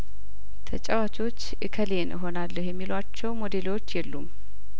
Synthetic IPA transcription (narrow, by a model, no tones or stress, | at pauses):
t̪ʰət͡ʃʼɛwat͡ʃʼo̞t͡ʃːʔɨkʰəlenəɦo̞nalːəhjɛmːilat͡ʃːɛwmo̞d̪e̞lwo̞t͡ʃːjɛlːum